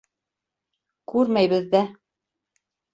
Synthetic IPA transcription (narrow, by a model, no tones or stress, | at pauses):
kʉɾmæjβɘ̆ðːæ